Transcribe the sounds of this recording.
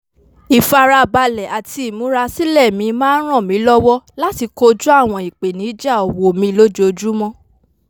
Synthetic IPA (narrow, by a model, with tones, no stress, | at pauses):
i˨fa˧ɾa˧ba˧lɛ˨a˨ti˧i˨mũ˨˦ɾa˧si˦lɛ˦˨mĩ˧˦mãː˦n̩˦ɾ̃ã˦˨mĩ˨˦lɔ˦wɔ˦la˦ti˧ko˧d͡ʒu˦a˦˨w̃ɔ̃˧i˨k͡pe˨nĩ˨˦d͡ʒa˦˨o˨wo˨mĩ˧lo˦d͡ʒo˧d͡ʒu˦mɔ̃˦